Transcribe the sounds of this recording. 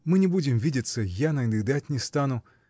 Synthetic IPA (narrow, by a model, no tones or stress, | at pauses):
mɨnʲɪbudʲɪmvʲidʲɪt̪sːəjanɐɪnd̪ɨd̪atʲnʲɪst̪anʊ